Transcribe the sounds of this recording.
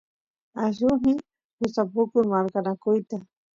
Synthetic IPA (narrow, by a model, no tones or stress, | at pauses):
aʃʊɦɪ | hʊsapʊkʊɾmaɾkanakʊjt̪a